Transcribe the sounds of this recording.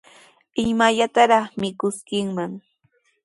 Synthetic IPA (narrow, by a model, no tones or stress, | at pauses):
ɪmaʎat̪aɾɑχmɪkʊskɪŋmaŋ